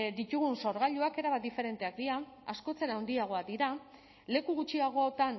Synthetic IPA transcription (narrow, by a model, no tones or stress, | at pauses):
d̪it̪uɣ̞unso̞ɾɣ̞aʎuake̞ɾaβad̪ife̞ɾe̞nt̪e̞ak̚d̪iɾaasko̞t͡seɾaond̪iaɣ̞o̞ad̪iɾa | le̞kuɣut͡ʃiaɣ̞o̞ot̪an